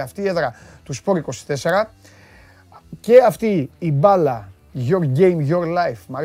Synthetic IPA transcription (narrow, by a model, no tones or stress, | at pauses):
ɐft̪iːeðɾɐ | t̪uspo̞ɾiko̞si̥t̪e̞se̞ɾɐ | ce̞ɐft̪iːbɐlɐ | ʝoɾɟejmʝoɾlɐjfmɐɾ